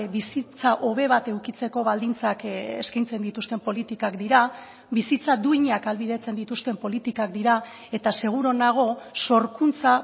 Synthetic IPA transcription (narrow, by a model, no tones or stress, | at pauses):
βisit͡saʔo̞βe̞β̞at̪e̞wkit͡se̞ko̞βald̪int͡sakḛskajnt͡se̞nd̪it̪ust̪e̞mpo̞lit̪ikakd̪iɾa | βisit͡sad̪uiɲakalβiðe̞t͡se̞nd̪it̪ust̪e̞mpo̞lit̪ikak̚d̪iɾa | e̞t̪ase̞ɣ̞uɾo̞naɣ̞o̞so̞ɾkunt͡sa